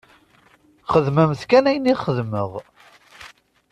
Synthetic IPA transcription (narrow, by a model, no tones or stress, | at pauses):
χəðməmθkænæjniχəðməʁ